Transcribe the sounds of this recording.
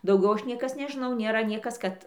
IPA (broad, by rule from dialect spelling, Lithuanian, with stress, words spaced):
dɐʊˈɡʲɛʊ ˈɐʃ ˈnʲiɛkɐs nʲɛʒʲɪˈnɐʊ nʲeːˈrɐ ˈnʲiɛkɐs kɐt